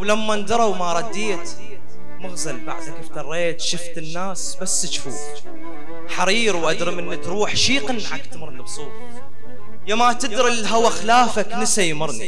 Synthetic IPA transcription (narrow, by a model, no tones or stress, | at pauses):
wlamːand̪ɑɾˤɑwmaɾˤɑd̪ːiːt̪ | mʊɣzalba̰ʕd̪akɪft̪ɑrˤːeːt̪ʃʊft̪ɪnːaːsbasːt͡ʃːfuː | ħaɾiːɾwʔad̪ɾɪmʔɪnːit̪ɾuːħʃiːqɪnːʕakt̪mʊɾnɪbsˤuːt̪ˤ | jamat̪ɪd̪ɾɪlɦawaxlaːfaknɪsajmʊɾˤnḭ